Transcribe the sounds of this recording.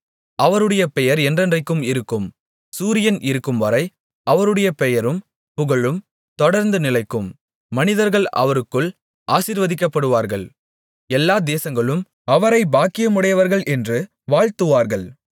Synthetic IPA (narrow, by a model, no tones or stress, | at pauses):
ʔɐʋɐɾɯɽɐjɐpɛjɐɾɛndrɐndrɐɪkːɯmɪɾɯkːɯm | suːɾɪjɐnʔɪɾɯkːɯmʋɐɾɐɪ | ʔɐʋɐɾɯɽɐjɐpɛjɐɾɯm | pʊɣɐɭɯm | t̪ɔɽɐɾnd̪ɯnɪlɐɪkːɯmː | ɐnɪðɐɾɣɐɭʔɐ̰ʋɐɾɯkːɯɭ | ʔaːsiːɾʋɐðɪkːɐpːɐɽɯʋaːɾɣɐɭ | ɛlːaːd̪eːsɐŋɡɐɭɯm | ɐʋɐɾɐɪbaːkɪjɐmʊɽɐjɐʋɐɾɣɐɭʔɛndrɯ | ʋaːɻt̪ɯʋaːɾɣɐɭ